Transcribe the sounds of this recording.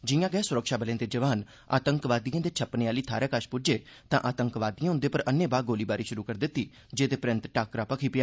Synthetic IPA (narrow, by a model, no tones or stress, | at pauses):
d͡ʒɪjãːɡɛːsʊɾəkʃaːbəlẽːd̪eːd͡ʒəʋaːn | a̰ːt̪əŋkʋaːd̪ijãːd̪eːt͡ʃʰəpneːaːliːt̪ʰaːɾɛːkəʃpʊd͡ʒeːt̪ãːʔaːt̪əŋkʋaːd̪ijãːɦʊ̃nd̪eːpəɾənːẽːbaːɡoːliːbaːɾiːʃʊɾuːkəɾd̪ɪt̪ːiː | d͡ʒeːd̪eːpɾɪ̃nt̪ʈaːkɾaːpəkʰiːpɪjaː